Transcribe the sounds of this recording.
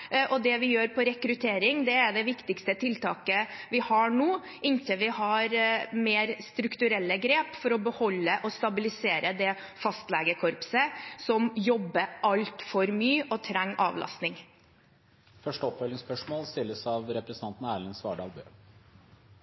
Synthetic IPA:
ʔɔd̪ɛʋɪjøːɾpʰɔɾɛkɾʉt̪ʰeːɾɪŋd̪ɛæɖɛʋɪkt̪ɪkst̪ət̪ʰɪlt̪ɑːkəʋɪhɑɳuː | ɪnçəʋɪhɑɾmeːɾst̪ɾʉkt̪ʉɾɛlːəɡɾeːpfɔɾɔbəhɔlːəʔɔst̪ɑbɪlɪseːɾəd̪ɛ | fɑst̪lɛːɡəkʰɔɾpsəsɔmjɔbːəʔɑlt̪fɔɾmyːɔt̪ʰɾɛŋːɑ̰ːʋlʔɑ̰st̪nɪŋ | fœʂʈəɔpfɛlɪŋspœʂmoːlst̪ɪlːəsɑʋɾɛpɾɛsn̩ɑnt̪n̩æːlɪnsʋɑ̰ːɖɑ̰ːlbø̰ː

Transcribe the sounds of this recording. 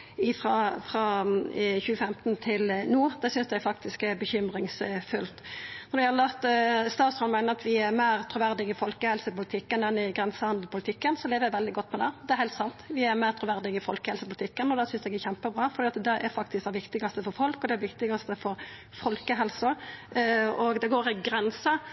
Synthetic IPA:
ɪfɾɑfɾɑ | çʉːəfɛmt̪nt̪ʰɪlnuːd̪ɛsʏnsd̪ɛæɾfɑk̚t̪ɪskæɾbəçʏmɾɪŋsfʉlt̪nɔɾd̪ʋɪhɑlət̪ːst̪ɑːt̪shɔnmæɪnəɾɑt̪ʋɪæɾmæɪɾt̪ʰɾʊʋæɾd̪ɪɡɪfɔlkəhɛlsəpʊlɪt̪ʰɪkːənɛnɪɡɾɛnsəhɑnd̪l̩pʊlɪt̪ʰɪkːənsɔleːʋəɾjæɪʋɛld̪ɪɡɔt̪ːmɛd̪ɛd̪ɛæɾhɛɪlt̪sɑnt̪ʋɪæɾmæɪɾt̪ʰɾʊʋæɾd̪ɪɡɪfɔ̰lkəhɛlsəpʊlt̪ɪkːənɔd̪ɛsʏnsɛɡæɾçɛmpəbɾɑːfɔɾd̪iːɑt̪d̪ɛʔæɾfɑk̚t̪ɪsk̚d̪ɛʋɪkt̪ɪɡɑst̪əfɔɾfɔlkɔd̪ɛæɾʋɪkt̪ɪɡɑst̪əfɔɾ | fɔlkəɦɛlsə | ɔɡd̪ɛɡoːɾɪɡɾɛnsə

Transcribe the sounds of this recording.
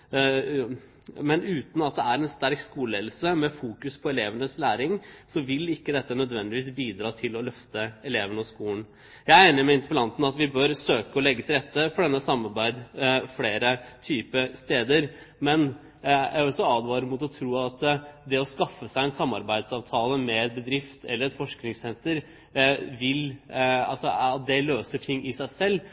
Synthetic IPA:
mɛnʉːt̪n̩ɑt̪̚d̪ɛæɾɛnst̪æɾkskuːlɛːd̪lsəmɛfuːkʉspʰɔɛleːʋənəslæːɾɪŋsɔʋɪlɪkːəd̪ɛt̪ːənœd̪ʋɛnd̪ɪʋiːsbiːd̪ɾɑːt̪ʰɪlɔlœft̪əɛleːʋənɔskuːln | jæɪæɪnəmɛɪnt̪əpəlɑnt̪n̩ɑt̪ʋɪbœɾsøːkəɔlɛɡːət̪ʰɪlɾɛt̪ːəfɔɖɛnːəsɑmːɑɾbæɪd̪fleːɾət̪ʰyːpəst̪eːd̪əɾ | mɛn | jæ̰ɾɔsɔɑːd̪ʋɑːɾəmut̪ɔt̪ʰɾuːɑt̪d̪ɛɔskɑfːəsæɪɛnsɑmːɑɾbæɪd̪sɑːʋt̪ʰɑːləmɛɛt̪̚bəd̪ɾɪft̪ʰɛ̰lːəɾɛt̪fɔʂknɪŋsɛnt̪əɾ | ʋɪlɑ̰lsɔɑt̪̚d̪ɛløːsəʈʰɪŋːʔɪsæɪsɛlː

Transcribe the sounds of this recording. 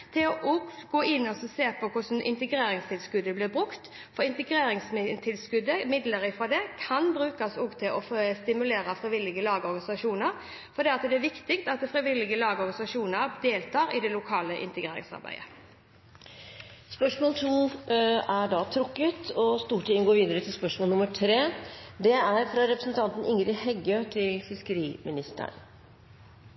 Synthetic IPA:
t̪ʰɪɔʔɔɡoːɪnːɔsɔseːpʰɔkʰʊsnʔɪ̰nt̪əɡɾeːɾɪŋst̪ʰɪlskʉd̪ːəblɪʁbʁʉkt̪ | fɔɾɪnt̪əɡɾeːɾɪŋsmɪt̪ʰɪlskʉd̪əmɪd̪ləɾɪfʁɔd̪ɛkʰɑnbɾʉːkɑsɔɡt̪ʰɪlʔɔst̪ɪmʉleːɾəfɾɪʋɪlɪɡəlɑːɡəɔɾɡɑnɪsɑʂuːnəɾ | fɔɾd̪ɛːɑt̪d̪ɛæʋɪkt̪ɪkt̪ɑt̪̚d̪ɛfɾɪʋɪlːɪɡəlɑːɡəɔɾɡɑnɪsɑʂuːnəɾd̪eːlt̪ʰɑːɾɪd̪ɛlʊkʰɑːləʔɪ̰nt̪əɡʁeːɾɪ̰ŋsɑ̰ɾbæ̰ɪə̰ | spœʂmoːlt̪ʰuː | æɖɑːt̪ʰɾʊkːət̪ʰɔst̪uːʈʰɪɪnɡoːɾʋiːd̪əɾət̪ʰɪlspœʂmoːlnʊməʈʰɾeːd̪ɛæɾfɾɑɾɛpɾəsn̩t̪ʰɑnt̪n̩ɪŋəɾɪhɛɡət̪ʰɪlfɪskəɾiːmɪnɪst̪ə̰n

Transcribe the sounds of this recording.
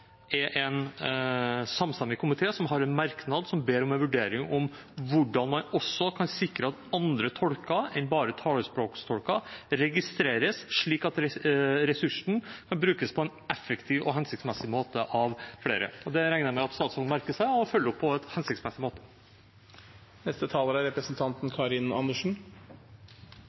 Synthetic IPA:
ɛʔɛn | sɑmst̪ɑmɪkʰʊmɪt̪ʰeːsɔmɦɑɾɛnmɑɾknɑd̪sɔmbeːɾɔmɛnʋʉɖeːɾɪŋʔɔm | ʋʊɖɑnmɑnɔsːɔkʰɑnsɪkɾəɑt̪ɑnd̪ɾət̪ʰɔlkɑɛɪnbɑːɾət̪ʰɑːləspɾoːkst̪ʰɔlkɑɾɛɡɪst̪ɾeːɾəsʂɭiːkɑt̪ɾɛɾɛsʉʂn̩kʰɑnbɾʉːkəspʰɔɛnɛfəkt̪ʰiːʋɔ̰ɦɛnsɪkt̪smɛsɪmoːt̪əʔɑʋfɽḛːɾə̰ɔd̪ɛɾæɪnəɾmæɪɑt̪st̪ɑːt̪shɔlmæɾkəsæɪɔfœlːəɾɔpʰːɔɛt̪hɛnsɪktsmɛsɪmoːt̪ə̥ | nɛst̪ət̪ʰɑːləɾæɾɛpɾəsn̩t̪ʰɑnt̪nkʰɑɾɪnɑ̰nəʂn̩

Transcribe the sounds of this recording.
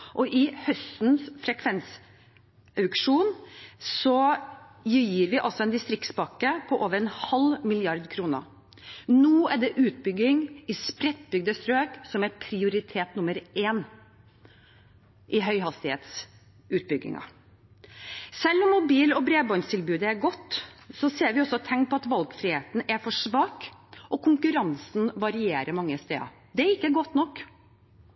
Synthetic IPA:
ʔɔʔɪhœst̪nsfɾɛkʰʋɛns | ʔɑʉkʂuːnsɔjjiːɾʋɪʔɑlsɔɛnd̪ɪst̪ɾɪkt̪sbɑkːəpʰɔʔoːʋəɾɛnhɑlmɪlɪɑɾd̪kʰɾuːnə̰ | nuːæɖɛʔʉːt̪̚bʏɡɪŋɪspɾɛt̪̚ːbʏɡ̚d̪əst̪ɾøːksɔmæpʰɾɪʊɾɪt̪ʰeːt̪nʊməɾeːn | ʔɪɦœʏɦɑst̪ɪhḛːt̪s | ʉːt̪̚bʏɡːɪ̰ŋɑ̰ | sɛlːɔmːʊbiːlɔbɾeːbɑnst̪ʰɪlbʉːd̪əæɾɡɔt̪ːsɔseːɾʋɪɔsːɔt̪ʰɛŋk̚pʰɔɑt̪ʋɑlɡfɾɪheːt̪n̩æɾfɔʂʋɑːkɔkʰʊŋkʉɾɑnsn̩ʋɑɾɪeːɾəmɑŋːəst̪ḛːɑ̰ | d̪ɛæɾɪkːəɡɔt̪ːnɔkː

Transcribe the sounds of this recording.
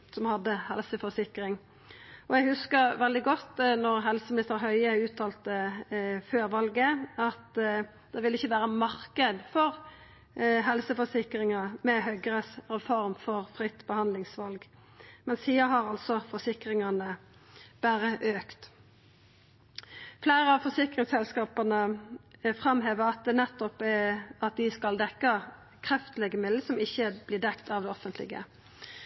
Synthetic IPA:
sɔmhɑd̪ːəhɛ̰lsəfɔsɪkʁɪŋ | ɔjæɡhʉskəʁʋɛld̪ɪɡɔt̪ːnɔʁɦɛlsəmɪnɪst̪əɾɦœʏəʉːt̪ʰːɑːlt̪əføːɾʋɑlɡəɑt̪ | d̪̥ɛʋɪlːɪçːəʋæːʁəmɑʁkəd̪fɔʁ | ɦɛlsəfɔsɪkɾɪŋɑmɛɦœɡəʁəsɾɛfɔɾmfɔʁfʁɪt̪ːbəhɑnd̪lɪŋsʋɑlɡ | mɛnsiːəɦɑʁɑlsɔfɔsɪkʁɪŋɑnə | b̥æːɾəʔøːkt̪ | flæɪʁəɑʋfɔsɪkʁɪŋsɛlskɑːpənə | fʁɑmɦeːʋəʁɑt̪̚d̪ɛnɛt̪ːɔpɛɑt̪̚d̪ɪskɑld̪ɛkːə | kʰɾɛft̪əlɛɡəmɪd̪l̩sɔmɪçːəb̥lɪːd̪ɛkt̪ɑːʋd̪ɛɔfənt̪lɪ̰ɡə̰

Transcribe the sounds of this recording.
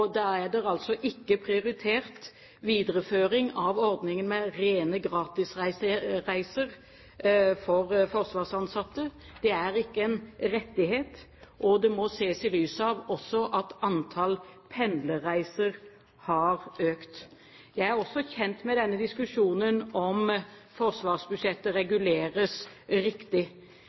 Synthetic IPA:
d̪ɑæd̪ɛɾɑlt̪sɔʔɪkːəpʰɾɪʊɾɪt̪ʰeːʁt̪ | ʋiːd̪əɾəføːɾɪŋɑʋɔɾd̪nɪŋənmɛɾeːnəɡɾɑːt̪ɪsæɪsʁæɪsəʁ | fɔɾfɔʁsʋɑːʁsɑnsɑt̪ːə | d̪̥ɛæɾɪkːəɛnɾɛt̪ːɪheːt̪ | ʔɔd̪ɛmɔseːsɪlyːsɑʋɔsːɔʔɑt̪ɑnt̪ʰɑlpʰɛnd̪ləɾæɪsəɾ | hɑɾøːkt̪ | jæɪæɾɔsːɔçɛnt̪mɛd̪ɛnːəd̪ɪskʉʂuːnənɔmfɔʁsʋɑːʁsbʉʂɛt̪ːəɾɛɡʉleːɾəs | ɾɪkt̪ɪ

